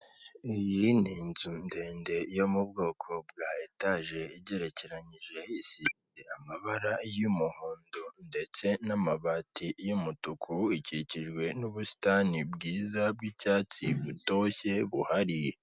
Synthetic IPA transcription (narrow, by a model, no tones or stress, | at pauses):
ijiniːnzunde̞ːnde̞jo̞mubɡo̞ːkʰo̞b̚ɡaːetaʒe̞iɟe̞ɾe̞ceɾaɲiʒe̞isiβiɾe̞amaβaɾajumuhuːndonde̞t͡se̞namaβatijumutukʰuiciciʒɡwe̞nuβusi̥tanibɡiːzabɡicaːt͡siβuto̞çe̞βuhaɾi